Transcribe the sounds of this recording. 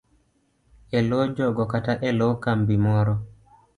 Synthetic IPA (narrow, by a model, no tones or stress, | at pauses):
ɛlɔd͡ʒɔɡɔkataʔɛlɔkambimɔɾɔ